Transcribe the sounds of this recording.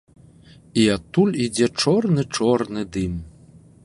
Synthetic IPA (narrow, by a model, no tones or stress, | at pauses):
iat̪ːulʲid͡zʲɛt͡ʂɔrnɨt͡ʂɔrnɨd̪ɨm